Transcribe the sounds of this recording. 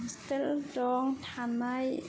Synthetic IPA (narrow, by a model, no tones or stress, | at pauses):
st̪eldɔːŋt̪ʰanːaj